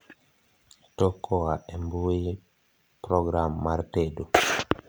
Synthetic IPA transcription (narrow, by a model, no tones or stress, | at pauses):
tɔkɔaembue | pɾɔɡɾamːaɾtedu